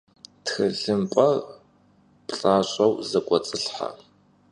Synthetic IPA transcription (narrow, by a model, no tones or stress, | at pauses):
txɨɮɨmpʼɐ | pɬʼaːɕʷʼɐwzɐkʷʼɔt͡sʼɨɬħa̰